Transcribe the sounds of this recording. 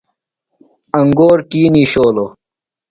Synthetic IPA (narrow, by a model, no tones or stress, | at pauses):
ɐŋɡoːɾkiːniːɕoːlo